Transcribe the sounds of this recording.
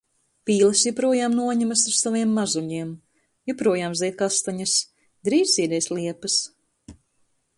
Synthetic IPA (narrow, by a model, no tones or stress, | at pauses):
pʲiːlˠɐsjupɾuɔjaːmnuɔɲɛmɐsuɾsaviɛmːazuʎiɛm | jupɾuɔjaːmzɛjt̪̚kast̪aɲɐs | d̪ɾiːzʲiːd̪ɛjslˠiɛpɨs